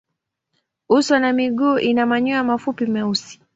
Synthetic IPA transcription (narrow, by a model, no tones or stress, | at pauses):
uswanamiɠuːʔinamaɲuamafupimɛusi̥